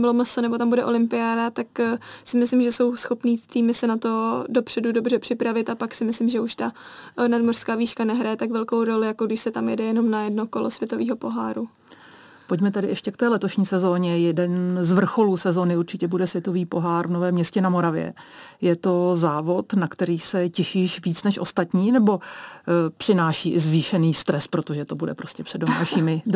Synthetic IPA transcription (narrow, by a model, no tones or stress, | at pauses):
bɪloməsonɛbo̞t̪ambudɛʔo̞lɪmpɪjaːdat̪aksɪmɪslɪmʒɛso̞wsxo̞pniːt̪iːmɪsɛnat̪o̞do̞pr̥ɛdudobrɛpr̝̥ɪpɾavɪt̪apaksɪmɪslɪmʒɛuʃt̪anadmor̥skaːviːʃkanɛɦɾajɛt̪aɡvɛlko̞wɾo̞lɪjakoɡdɪʃsɛt̪amjɛdɛjɛno̞mnajɛdnoko̞losvjɛt̪o̞viːɦo̞po̞ɦa̰ːɾu | po̞ɟmɛt̪ɛdɪʔɛʃcɛkt̪ɛːlɛt̪o̞ʃɲiːsɛzo̞ːɲɛjɛdɛnzvr̩xo̞luːsɛzo̞ːnɪuɾt͡ʃɪcɛbudɛsvjɛt̪o̞viːpo̞ɦaːɾvnovɛːmɲɛscɛnamo̞ɾavjɛ̰jɛt̪o̞zaːvo̞t̪nakt̪ɛɾiːsɛcɛʃiːʃviːt͡snɛʃʔo̞st̪at̪ɲiːnɛbo̞ | pr̥ɪnaːʃiːʔɪzviːʃɛniːst̪ɾɛspɾo̞t̪o̞ʒɛt̪o̞budɛ̰pɾo̞scɛpr̥ɛdomaːʃiːmɪ